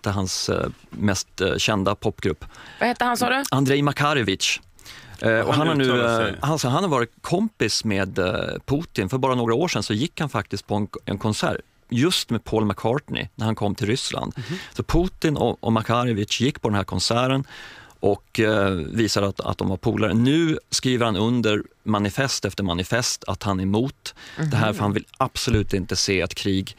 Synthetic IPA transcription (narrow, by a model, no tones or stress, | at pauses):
t̪ʰəɦansmɛst̪ɕɛnd̪apʰɔpːɡɾɵpːvhɛt̪ːəhansɔːd̪ɛand̪ɾɛjmakʰaɾɪvɪtʂ | ɔ̰ɦanhaɳʉ̟ːhansɑːɦanhaɾvɑːɾɪt̪kʰɔmpɪsmeːd̪pʰuːt̪ɪnfœɾbɑːɾanoːɡɾaoːʂɛnsɔjɪkːhanfak̚t̪ɪst̪̚pʰɔɛnɛ̰nkʰɔnsæ̰ːɾ | jɵst̪meːd̪pʰoːlmakʰɑːʈɳɪ̰næɾhankʰɔmːt̪ʰɪlɾʏsla̰nd̪̥sɔpʰuːt̪ɪnɔ̰ɔ̰makʰaɾɪvɪt͡ʃjɪkːpʰɔd̪ɛnɦæːɾkʰɔnsæːɾənʔɔkviːsad̪əat̪a̰t̪̚d̪ɔ̰mvaɾpʰuːlaɾə̰nʉ̟ːskɾiːvəɾhanɵnd̪əɾmanɪfɛst̪ɛft̪əɾmanɪfɛst̪ʰa̰t̪hanɛmuːt̪d̪̥ɛɦæːɾfœɾhanvɪlab̥sʊlʉ̟ːt̪ɪnt̪əseːɛt̪kʰɾiːɡ